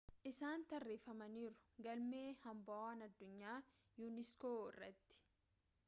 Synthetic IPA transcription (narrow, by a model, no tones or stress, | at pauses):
ʔɪsaːnt̪ɐrːeːfɐmɐniːɾʊ̥ɡɐlmeːhɐmbɐaːnɐd̪ːʊɲːaː | juːnɪskoːɪrːɐt̪ːɪ̥